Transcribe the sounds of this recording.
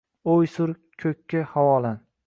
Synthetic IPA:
ojsʊɾ | kʲʰɵkʲʰːahawɒlan

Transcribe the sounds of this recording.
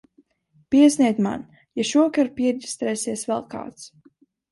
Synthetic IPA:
piɛsnʲiɛt̪ma̰n | jaʃuɔkaɾpiɛdʲist̪ɾɛːsiɛsvɛlˠka̰ːt̪s

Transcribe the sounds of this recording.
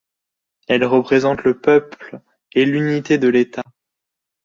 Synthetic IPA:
ɛlʁəpχezɑ̃t̪ləpœpl | elynit̪ed̪əlet̪a

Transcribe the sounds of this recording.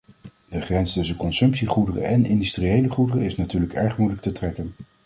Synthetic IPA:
d̥əχrɛnstɵsənkɔnsɵmpsiχudərə̰ʔɛnɪndystriejləχudərəɪsnatyːɹləkɛɹχmujlək̚tətrɛkən

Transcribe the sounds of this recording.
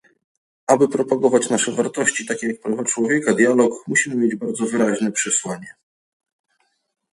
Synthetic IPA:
ʔabɘpɾɔpaɡɔvat͡ɕnaʂɛvaɾt̪ɔɕt͡ɕit̪akʲejak̚pɾavat͡ʂwɔvʲjɛkad̪ʲjalɔkmuɕimɘmʲjed͡ʑbaɾd̪zɔvɘɾaʑnɛpʂɛswaɲɛ

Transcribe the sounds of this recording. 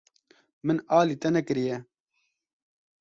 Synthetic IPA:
mɨnaːliːt̪ɛnɛkɨɾijɛ

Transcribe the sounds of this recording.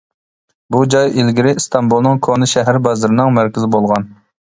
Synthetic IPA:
bud͡ʒɑjelɡʲiɾɪst̪ʰɑmbulˠnɨŋkʰonɨʃɛɦæɾbɑzɨɾɪnɨŋmæɾkʲɪzɪbolˠʁɑn

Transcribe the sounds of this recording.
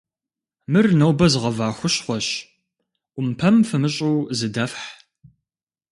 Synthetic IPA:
mɨrnɐwbɐzɨʁɐvaːxʷʊɕχʷɔɕ | ʔʷʊmpʰɐmfɨmɨɕʼuwzɨdɐfħ

